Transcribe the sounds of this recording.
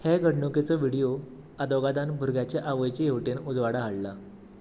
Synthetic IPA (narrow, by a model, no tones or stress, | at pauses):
heɡəɽɳuket͡səʋiɽijo | ad̪oɡad̪anbʱuɾɡʱjat͡ɕaʔaʋəjt͡ɕejewʈenud͡zʋaɽaɦaɽla